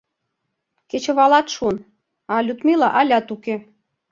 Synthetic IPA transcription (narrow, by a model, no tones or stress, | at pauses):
ket͡ɕĕβɑlɑt̪ʃun | ɑlʲut̪milɑʔɑlʲɑt̪uke